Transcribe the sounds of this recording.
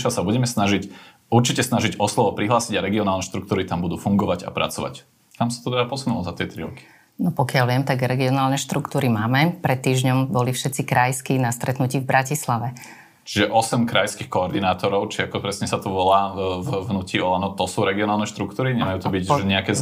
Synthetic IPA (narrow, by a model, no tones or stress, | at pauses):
ʃasabuɟɛmɛsnaʒic | uɾt͡ʃicɛsnaʒiɟɔslɔʋɔpɾiɦlaːsiɟaɾɛɡiɔnaːlnɛʃt̪ɾuk̚t̪uːɾit̪ambud̪uːfuŋɡɔʋaɟa̰pɾa̰t͡sɔʋa̰c | kamsat̪ɔt̪ɛd̪apɔsunulɔzat̪ɪɛt̪ɾḭɾɔ̰ki̥ | nɔpɔkɪalʋɪɛmt̪aɡɾɛɡiɔnaːlnɛʃt̪ɾukt̪uːɾimaːmɛpɾɛt̪ːiːʒɲɔmbɔlifʃɛt̪t͡sikɾajskinast̪ɾɛt̪nuciːvbɾacislaʋɛ | t͡ʃiʒɛʔɔsɛmkɾajskixkɔɔɾd̪inaːt̪ɔɾɔʊt͡ʃiakɔpɾɛsɲɛsat̪ɔʋɔlaːvvnuːciɔlanɔt̪ɔsuːɾɛɡiɔnaːlˠnɛʃt̪ɾukt̪uːɾiɲɛmajuːt̪ɔbiɟɲɛakɛː